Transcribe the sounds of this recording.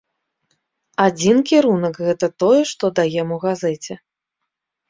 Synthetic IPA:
ad͡zʲinkʲiɾunɐkɣɛt̪ɐt̪ɔjɛʂt̪ɔd̪ajɛmuwɣazɛt͡sʲɛ

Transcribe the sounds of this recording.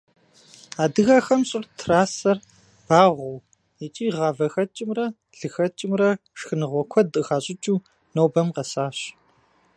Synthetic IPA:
aːdɨɣɐxɐmɕʼɪrtʰraːsɐr | b̥aːʁʷɔw | jɛt͡ʃʼiːʁɑːvɐxɐt͡ʃʼɪmrɐ | ɮɨxɐt͡ʃʼɪmrɐʂxɨnɨʁʷɔkʷʰɔdʼɨʁaːɕʼɪt͡ʃʼuː | nowbɐmqɐsaːɕ

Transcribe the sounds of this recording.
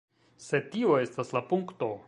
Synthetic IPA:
se̞tio̞e̞staslapuŋkto̞

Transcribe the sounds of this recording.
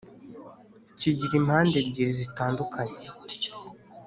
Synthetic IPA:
ciɟiɾimhaːndebɟiɾizitaːndukʰaɲe

